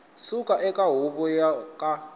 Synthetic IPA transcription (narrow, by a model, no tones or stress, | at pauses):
sukʼaʔɛkʼaɦuβɔjakʼa